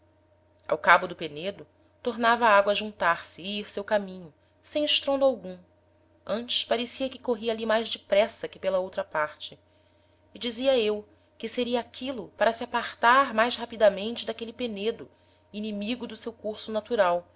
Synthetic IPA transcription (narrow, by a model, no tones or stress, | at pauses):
a̰wkabʊd̪ʊpened̪ʊ | t̪oɾnavɐaaɡwɐʒũnt̪aɾsɪiɾsewkamĩɲʊ | sẽj̃ɪʃt̪ɾõnd̪awɡũ | ɐ̃nt͡ʃɪ̥ʃpaɾesiɐkɪ̥koɦiɐalimajzd͡ʒɪpɾɛsɐkɪpelɐowt̪ɾɐpaɾt͡ʃɪː | d͡ʒiziɐew | kɪseɾiɐːkʰilʊpaɾɐsiapaχt̪aɾmajʃshapid̪amẽnt͡ʃɪd̪akelɪpened̪ʊ | inimiɡʊd̪ʊsewkuɾsʊnat̪uɾaw